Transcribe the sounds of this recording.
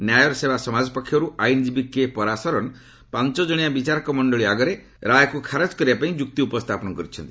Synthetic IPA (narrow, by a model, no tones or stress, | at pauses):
njajɔɾsebasɔmad͡ʒɔpɔkʰːjɔɾuajnd͡ʒibikepɔɾasɔɾɔñ | pant͡ʃɔd͡ʒɔɽ̃ijabit͡ʃaɾɔkɔmɔɳɖɔɭiaɡɔɾe | ɾajɔkukʰaɾad͡ʒkɔɾiapaĩd͡ʒuk̚t̪iupɔst̪ʰapɔnɔkɔɾit͡ʃʰɔnt̪i̥